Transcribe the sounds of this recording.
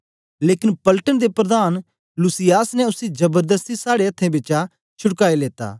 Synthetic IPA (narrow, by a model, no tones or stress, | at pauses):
leːkɪnpəlʈənd̪epɾɐd̪aːn | lusɪjaːsnɛʊsid͡ʒɐbəɾd̪əst̪isaːɽeɐt̪ʰːẽːbɪt͡ʃa | t͡ʃʰʊɽkaːeleːt̪a̰ː